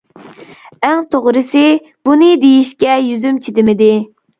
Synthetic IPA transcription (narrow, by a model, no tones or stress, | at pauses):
æŋt̪ʰoʁɾɨsɪ | b̥unɨd̪ejiʃkʲɛjyzymt͡ʃʰid̪ɪmɪd̪ɪ